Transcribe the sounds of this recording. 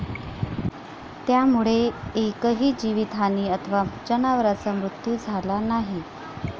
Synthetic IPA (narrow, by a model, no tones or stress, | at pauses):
t̪jamuɭeekəɦiːd͡ʑiʋit̪ʰaniːət̪ʰəʋad͡ʑənaʋəɾat͡samɾut̪jud͡zʱalanaɦi